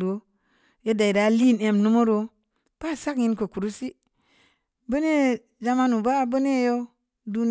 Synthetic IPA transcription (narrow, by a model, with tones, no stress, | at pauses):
ɾo˨˦ | je˦da˨i˨da˨li˦˨ne˨mnu˦mo˦ɾo˦ | b̥a˦˨sa˦kɲi˦nko˨ku˨ɾu˦si˦ | bə˦ne˦ | d͡ʒa˧ma˦nu˨ba˦bə˦ne˦jo˦ | du˦n